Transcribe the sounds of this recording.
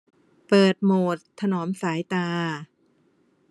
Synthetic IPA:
pɤː˨˩t̪̚moː˨˩t̪ʰːa˧nɔː˩˦msaː˩˦jt̪aː˧

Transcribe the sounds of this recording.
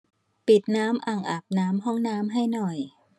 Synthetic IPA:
pi˨˩t̪̚naː˦˥mʔa˨˩ŋʔa˨˩p̚naː˦˥mɦɔ˥˩ŋnaː˦˥mɦa˥˩jnɔ˨˩j

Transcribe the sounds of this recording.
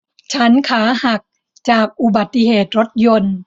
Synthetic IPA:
t͡ɕʰa˦˥nkʰaː˩˦ha˨˩k̚ | t͡ɕaː˨˩k̚ʔu˨˩ba˨˩t̪ːi˧ɦeː˨˩t̪̚ɾo˦˥t̪̚jo˧n

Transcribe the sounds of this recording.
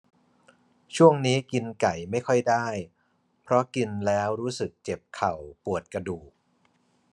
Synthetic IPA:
t͡ɕʰu˥˩əŋniː˦˥ki˧nka˨˩jma˥˩jkʰɔ˥˩jdaː˥˩j | pʰɾɔ˦˥ki˧nlɛː˦˥wɾuː˦˥sɯ˨˩k̚t͡ɕe˨˩p̚kʰa˨˩wpu˨˩ət̪̚kɾa˧duː˨˩k̚

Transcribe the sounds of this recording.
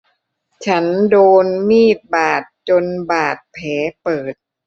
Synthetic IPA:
t͡ɕʰa˦˥ndoː˧nmiː˥˩t̪̚baː˨˩t̪̚t͡ɕo˧nbaː˨˩t̪̚pʰɛː˩˦pɤː˨˩t̪̚

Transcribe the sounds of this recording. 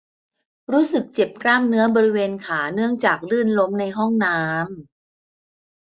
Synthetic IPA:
ɾuː˦˥sɯ˨˩k̚t͡ɕe˨˩p̚kɾaː˥˩mnɯ˦˥ɐbɔː˧ɾi˦˥weː˧nkʰaː˩˦nɯ˥˩əŋt͡ɕaː˨˩k̚lɯː˥˩nlo˦˥mna˧jɦɔ˥˩ŋnaː˦˥m

